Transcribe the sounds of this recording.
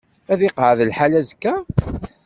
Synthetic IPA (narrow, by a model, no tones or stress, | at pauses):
æðɪqəʕðəlħalæzəkːæ